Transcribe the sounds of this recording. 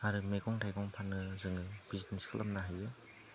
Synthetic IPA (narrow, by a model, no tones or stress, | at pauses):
aɾɯmeɡɔŋtʰajɡɔŋpʰanːɯzɯŋɯb̥izitneskʰɯlʔa̰mnaɦajɯ